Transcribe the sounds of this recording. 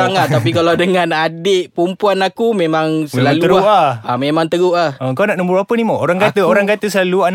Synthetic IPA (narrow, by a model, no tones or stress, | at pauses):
aŋaapikalawdəŋãnadɪʔpumpuanakumemãŋsəlaləɡaʔaamemãŋt̪əɡuʔahəəŋkawnaʔnəmbuɾapənimaʔoɾaŋkat̪əoɾaŋkat̪əsəlaluan